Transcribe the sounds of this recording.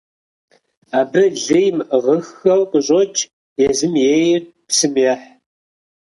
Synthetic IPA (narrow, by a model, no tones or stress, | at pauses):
aːbɨʒɪjmʁəxːɐwqʼəʑʼot͡ʃʼ | jɛzɨmjejɪr | psɨmjɛħ